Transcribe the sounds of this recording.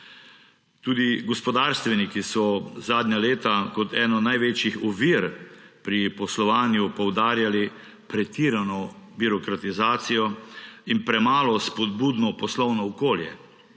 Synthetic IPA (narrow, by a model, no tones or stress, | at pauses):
t̪uːd̪iɡɔspɔd̪aːɾst̪ʋɛnikisɔzaːd̪nʲaleːt̪akɔt̪ɛːnɔnajʋeːt͡ʃjixɔʋiɾpɾipɔslɔʋaːnjupɔwd̪aːɾjali | pɾɛt̪iːɾanɔbiɾɔkɾat̪izaːt̪sijɔinpɾɛmaːlɔspɔd̪̚buːd̪nɔpɔslɔwnɔːkoːljɛ̰